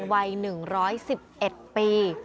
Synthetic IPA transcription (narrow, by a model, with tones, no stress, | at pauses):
nwa˧jnɯ˨˩ŋɾɔː˦˥jsi˨˩p̚ʔe˨˩t̪̚piː˧